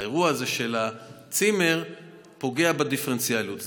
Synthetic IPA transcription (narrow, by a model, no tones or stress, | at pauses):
eʁuaːzeʃe̞la | t͡sime̞ʁ | po̞ɡe̞abed̪ifeʁent͡sialjut